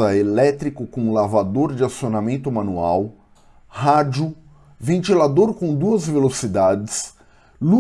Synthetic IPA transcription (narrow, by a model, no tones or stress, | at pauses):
ɐelɛt̪ɾikʊkõlavad̪oɾd͡ʒɪasionamẽnt̪ʊmãnua̰w | had͡ʒʊ | vẽnt͡ʃilad̪oɾkõd̪uɐzvelosid̪ad͡ʒɪs | lu